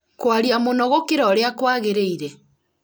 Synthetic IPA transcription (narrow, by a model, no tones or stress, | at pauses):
kwaɾiamonɔɣokeɾɔɾeakwaɣeɾeiɾɛ